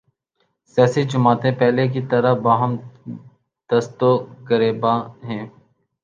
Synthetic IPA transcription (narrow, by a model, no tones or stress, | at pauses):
sjaːsid͡ʒʊmaːt̪ẽpɛɦlek̬it̪ɐɾəbaːɦəm | d̪̥ɐst̪okəɾeːbaːɦɛ̃ː